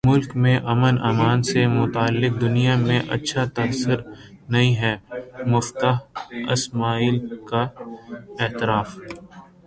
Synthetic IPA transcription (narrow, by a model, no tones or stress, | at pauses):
mʊlkmẽʔɐmənaːmaːnsemʊt̪aːlːɪk̚d̪ʊnijamẽʔɐ̰tːʃʰat̪ɐɦsəɾnɐĩɦɛːmʊft̪aɦɪ̰smaːiːlka | ɛːt̪ɪɾaːf